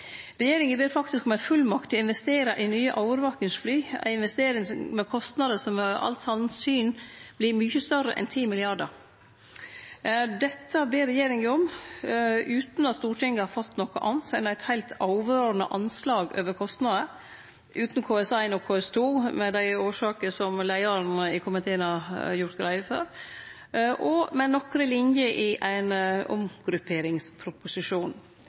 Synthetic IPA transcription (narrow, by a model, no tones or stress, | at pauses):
ɾɛjeːɾɪŋəbeːɾfɑk̚t̪ɪskɔmæfʉlːmɑkt̪ʰɪɔɪnʋɛst̪eːɾɑʔɪnyːəʔɑʊʋəɾʋɑːkəŋsflyːæ̰ɪɪnʋɛst̪eːɾɪŋmɛkʰɔst̪nɑd̪əsɔmɑ̰lt̪sɑnsyːnb̥lɪɾmyːçəst̪œɾə̰ʔɛ̰nt̪ʰiːmɪlɪɑɖəɾ | d̪ɛt̪ʰːəbeːɾːɛjeːɾɪŋəɔm | ʔʉːt̪n̩ɑt̪st̪uːʈʰɪŋɡəhɑfɑt̪ːnɔkːəʔɑnt̪sæɪnæɪt̪hæɪlt̪ʰɑʊʋøːɾənə̰ʔɑnslɑːɡø̰ːʋəɾkʰɔst̪nɑːd̪ə | ʔʉːt̪nkʰoːɛsæɪnɔkʰːoːɛst̪ʰuːmɛd̪æɪoːʂɑːkəsɔmlæɪɑɾnɪkʰʊmət̪ʰeːənhɑjʊɾt̪ɡɾæɪəfø̰ːɾ | ʔɔmɛnɔkɾəlɪnjəʔɪʔæɪnʊ̰mɡɾʉpʰeːɾɪŋspʰɾʊpʊsɪʂuːn